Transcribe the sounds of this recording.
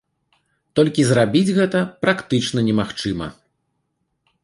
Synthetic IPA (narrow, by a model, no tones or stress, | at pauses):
t̪ɔlʲkʲizrabʲid͡zʲɣɛt̪ɐpɾakt̪ɨt͡ʂnɐnʲɛmaxt͡ʂɨmɐ̰